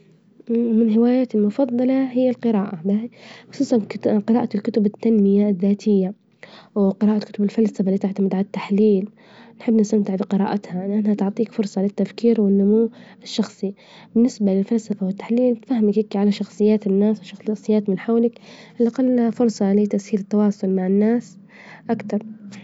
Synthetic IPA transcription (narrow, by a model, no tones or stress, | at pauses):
ʔwmɪnɦɪwaːjaːt̪ɪlmʊfɑðˤːɑlɑɦɪjːalqɨɾaːʔabaʔasuːsˤanqɨɾaːʔat̪ɪlkʊt̪ʊbɪt̪ːanmɪjaðːaːt̪ʰɪjːa | wɪqɨɾaːʔakʊt̪ʊbɪlfalsafaliːt̪aʕt̪amɪd̪ʕat̪ːaħliːl | nħɪbːnɪst̪amt̪ɪʕbɪqɨɾa̰ːʔat̪haʔɪnːʔanhat̪ʊʕt̪ˤiːkfʊɾˤsˤɑlɪt̪ːafkiːɾwɪnːʊmuːɪʃːɑxsˤi | bɪnːɪsbalɪlfalsafawɪt̪ːḁħliːlt̪fahːɪmakɪkʕalaʃɑxsˤɨjːaːt̪ɪnːaːswʃɑxɑsˤɨjːaːt̪mɪnħawlɪkʔɪlʔaqalːahafʊɾsˤɑlɪt̪aʔsiːlɪt̪ːawɑːsˤʊlmaʕɪnːaːs | ʔakt̪ɑɾˤ